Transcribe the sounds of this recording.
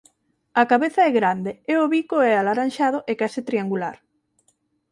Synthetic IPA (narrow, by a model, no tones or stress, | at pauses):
akaβeθaɛɣɾand̪eeoβikoɛalaɾanʃað̞ʊʔekasɪt̪ɾiaŋɡulaɾ